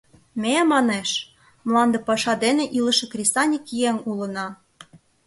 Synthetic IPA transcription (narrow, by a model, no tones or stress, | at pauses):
memɑneʃ | mlˠɑnd̪ɤ̆pɑʃɑd̪enĕʔiləʃɤ̆krʲest̪ɑnʲikijeŋulɤ̆nɑ